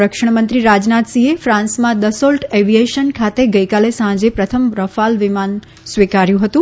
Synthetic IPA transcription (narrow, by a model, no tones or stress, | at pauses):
ɾəkʂəɳ̃mənt̪ɾiɾad͡ʒnat̪siefɾãnsmãd̪əsolʈeʋieʃənkʰat̪eɡəjkalesãd͡ʒepɾət̪ʰəmɾəfalʋɪman | sʋikaɾjũɦət̪ũ